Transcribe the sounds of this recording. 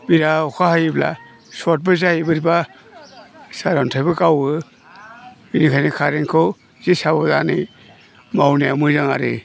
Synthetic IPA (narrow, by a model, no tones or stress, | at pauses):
biɾaɔkʰahajibla̰ | sɔt̚bɯzajibɯɾiba | saɾantʰajbɯkawɯ | binikʰajnikʰaɾeŋkʰɯ | z̥isabɔzani | mawnija̰mɯzaŋa̰ɾɯ̰